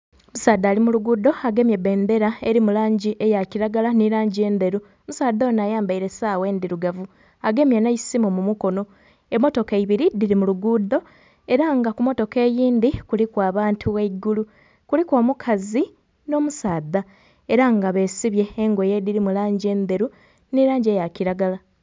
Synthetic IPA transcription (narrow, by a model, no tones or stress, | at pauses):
musaːd̪aːlimuluɡuːd̪o̞aɡe̞mjebe̞ːnd̪e̞ɾae̞ɾimulaːɲɟiʔe̞jaciɾaɡalaniɾaːɲɟie̞ːnd̪e̞ɾu | musaːd̪oːnaːjaːmbaiɾe̞saːwe̞ːnd̪iɾuɡavu | aɡe̞mjanajisimumumuko̞no̞ | emo̞to̞keiβiɾidiɾimuluɡud̪o̞ | e̞ɾaŋɡakumo̞to̞ke̞ːjiːnd̪ikulikwaːβaːntʰuweiɡulu | kulikwo̞ːmukʰazi | no̞musaːd̪a | e̞ɾaŋɡaβe̞ːsiβje̞ːŋɡo̞je̞diɾimulaːɲɟie̞ːnd̪e̞ɾu | niɾaːɲɟie̞jaciɾaɡala